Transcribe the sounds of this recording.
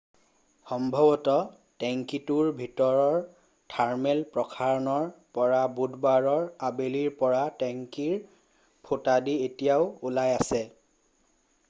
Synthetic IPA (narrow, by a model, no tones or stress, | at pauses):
xɔmbʱɔbɔtɔ | tɛŋkituɹbʱitɔɹɔɹ | tʰaɹmɛlpɹɔkʰaɹɔnɔɹpɔɹabudʱbaɹɔɹabeliɹpɔɹatɛŋkiɹ | pʰotadietijaʊulajasɛ